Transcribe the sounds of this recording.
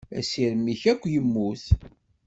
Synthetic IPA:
æ̰siɾəmːiçækʷːjəmːuθ

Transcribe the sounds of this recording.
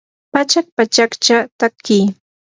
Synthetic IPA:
pat͡ʃak̚pat͡ʃakt͡ʃat̪akːij

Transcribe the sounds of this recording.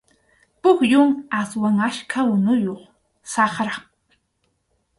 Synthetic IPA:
pʊkjʊŋaswaŋaʃkʰawʊnʊjoχ | sɑχɾa

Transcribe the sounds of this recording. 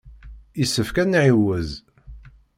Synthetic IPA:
isːəfkænʕiwæz

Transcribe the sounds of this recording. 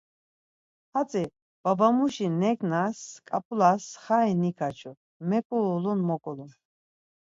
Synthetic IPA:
hat͡sʼɛ | b̥abamuʃinɛkʰnaskʼapʼulasχainikʰat͡ʃʰɔ | mɛkʼuɔlɔnmɔkʼɔlɔn

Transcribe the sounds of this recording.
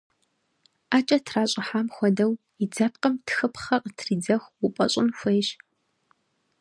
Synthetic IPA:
aːt͡ʃʼɐtʰraːɕʼɪħaːmxʷɔdɐw | id͡zɐp̚qɐmtʰxɨpχɐqətʰriːd͡zɐxwʊpʷʼɐ̰ɕʼɪnxʷejɕ

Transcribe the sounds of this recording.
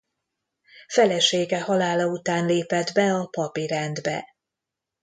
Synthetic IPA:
fɛlɛʃeːɡɛhɒlaːlɒut̪aːnleːpɛd̪bɛɒpɒpiɾɛnd̪bɛ̰

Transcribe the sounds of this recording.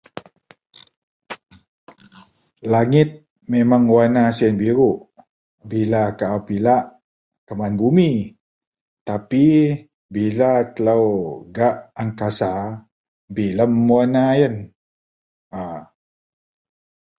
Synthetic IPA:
laŋɪt̪̚ | memaŋwanasiənbiɾuʔ | bilakaʔawpilaʔ | kəmanbumi | t̪api | bilat̪ələwɡaʔaŋkasa | biləmwanajən | a

